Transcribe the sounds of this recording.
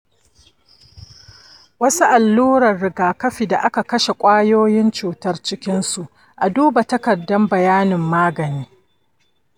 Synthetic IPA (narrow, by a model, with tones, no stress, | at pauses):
wɐ˦su˦ʔa˨lːuː˦ɾɐ˨rːɪ˨ɡaː˨kɐ˦ɸi˨da˨ʔa˦ka˨kɐ˦ʃe˨kʷʼaː˦joː˦jɪ˦nt͡ʃuː˨tɐ˦rt͡ʃɪ˦kʲɪ˦nsu˨ʔ | ʔa˨duː˦ba˨tɐ˦kɐ˨dːɐ˦mbɐ˨jaː˦nɪ˨mːaː˦ɡɐ˨niː˦